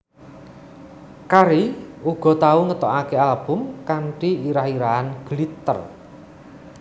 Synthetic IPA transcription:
kaɾiuɡ̥ɔ̤t̪auŋət̪ɔʔakealb̥ʊ̤mkaɳʈiiɾahiɾaanɡ̥lit̪ə̰r

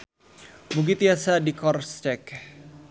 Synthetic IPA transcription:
muɡit̪iasadikɔrst̪ɛk

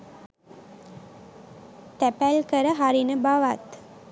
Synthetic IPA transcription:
t̪æpælkəɾəɦaɾinəbaʋat̪

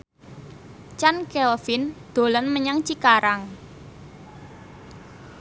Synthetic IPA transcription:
t͡ʃankeɔfind̪̥o̤lɔnməɲaŋt͡ʃikaɾaŋ

